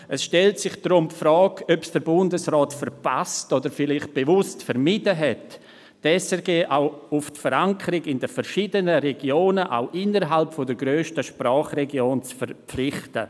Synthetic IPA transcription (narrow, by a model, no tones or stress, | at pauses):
əsʃtɛltsɪχd̥ɾʊmpfɾɔːkœpsd̥əɾbʊndəsrɔːtfəɾpastodəɾfɪlɪχt̚b̥evʊstfəɾmidəɦɛtː | ɛsɛɾɡeːʔawʊftfəɾaŋkʰəɾɪɡɪndəfəɾʃidənəɾɛɡjoːnəʔa̰ʊʔɪnəɾɦalpfɔdəɡɾøːʃtəʃpɾaːχrɛɡjoːnt͡sfəɾpflɪχtə